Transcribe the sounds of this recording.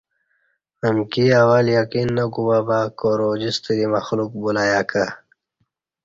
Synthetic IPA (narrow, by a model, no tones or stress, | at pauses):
əmkiawaljakinːɐkubabaːkoɾod͡ʑist̪əɾimɐxluk̚bulaːjaːka